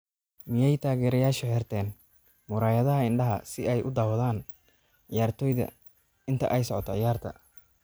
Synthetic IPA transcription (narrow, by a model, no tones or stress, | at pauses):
mɪjɛjt̪ʰaːɣɛːɾɐjaːʃɐhɛːrt̪ʰɛːn | mʊɾaːjɐðɐɦɐɪɳɖɐɦɐ̰sɪɛjʔʊd̪aːwðaːn | ʕɪjaːrt̪ʰɔːjðɐ̰ | ɪnt̪ʰɐ̰ʔɛjsɔʕɔt̪ʰɔʕɪjaːrt̪ʰɐ̰